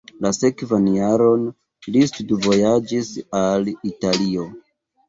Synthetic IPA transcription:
lase̞kvanjaɾo̞n | listudvo̞jad͡ʒisalitalio̞

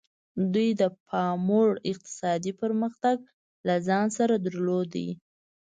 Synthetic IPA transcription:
d̪ujd̪əpʰɑmoɽɪq̚t̪ɪ̥sɑd̪ipəɾməxt̪aɡ | lazɑnsaɾad̪əɾlod̪ajḭ

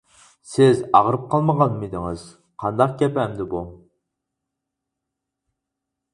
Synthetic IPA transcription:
sɪzɑʁɾɨp̚qʰɑlˠməʁɑnmid̪ɪŋɨz̥ | qʰɑnd̪ɑq̚ɡʲɛpɛmd̪ɪbu

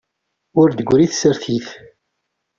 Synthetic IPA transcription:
ʊɾd̪əɡʷːɾiθsəɾθiθ

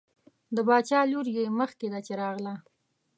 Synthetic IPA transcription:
d̪əbɑt͡ʃɑluɾjeməxked̪at͡ʃeɾɑɣla

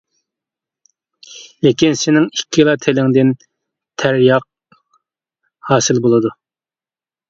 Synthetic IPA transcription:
lekʲinsɪnɪŋikʲʰːilˠɑt̪ʰelɪŋd̪ɪn | t̪ʰæɾjɑq̚ | hɑːsɪlbolˠɨd̪u

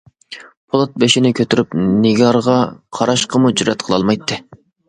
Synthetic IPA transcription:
pʰolˠɑt̪̚beʃinɪkʲʰøt̪yɾypnɪɡʲɑɾʁɑqʰɑɾɑʃqʰəmud͡ʒyɾɛt̪qʰəlˠɑ̰lˠmɑjt̪ːɨ

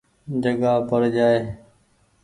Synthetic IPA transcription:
d͡ʒəɡaːpəɾd͡ʒaːeː

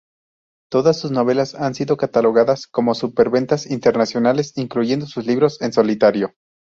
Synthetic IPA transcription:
t̪o̞ðasːuzno̞β̞e̞lasansiðo̞kat̪alo̞ɣ̞aðasko̞mo̞supe̞ɾβe̞nt̪asint̪e̞ɾnasjo̞nale̞siŋkluʝe̞nd̪o̞suzliβɾo̞se̞nso̞lit̪aɾjo̞

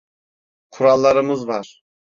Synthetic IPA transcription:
qʰuɾɑlˠːɑɾɯmɯzvɑɾ

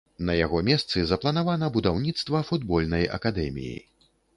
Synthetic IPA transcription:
nɐjaɣɔmʲɛst̪sɨzɐplˠɐnavanɐbud̪awnʲit̪st̪vɐfud̪bɔlʲnɐjɐ̰kad̪ɛmʲḭjḭ

